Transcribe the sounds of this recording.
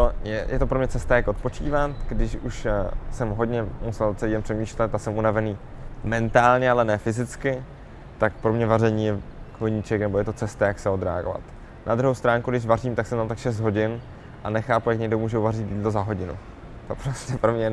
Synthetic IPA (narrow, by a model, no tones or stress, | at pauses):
t̪ojɛjɛ̰t̪o̞pɾomɲɛt͡sɛst̪ajako̞t̪̚po̞t͡ʃḭːvat̪ɡ̥dɪʃuʃsɛmɦod̪ɲɛmusɛlt͡sɛliːdɛmpr̥ɛmiːʃlɛt̪ːasɛmunavɛniːmɛnt̪aːlɲɛalɛnɛːfɪzɪt͡skɪ | t̪akpɾo̞mɲɛvarɛɲiːjɛkloɲiːt͡ʃɛknɛbo̞jɛt̪o̞t͡sɛst̪ajaksɛo̞d̪ɾɛ̰a̰ɡo̰va̰t̪ | nʔad̪ɾuɦowst̪ɾaːŋkudɪʃvariːmt̪aksɛmt̪amt̪akʃɛs̬t̪ɦo̞ɟɪn | ʔanɛxaːpujakɲɛɡdomuːʒɛuvarɪt̪jiːdlo̞zaɦo̞ɟɪnṵ | t̪opɾoscɛpɾomɲɛ